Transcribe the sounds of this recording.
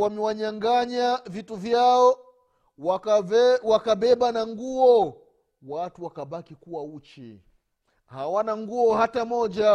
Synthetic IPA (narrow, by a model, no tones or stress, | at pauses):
wamɛwaɲaŋɡaɲavituvjaɔ | wa | wakaɓɛɓanaŋɡuɔ | watuwakaɓakikuwaut͡ʃḭ | hawanaŋɡuɔhatamɔʄa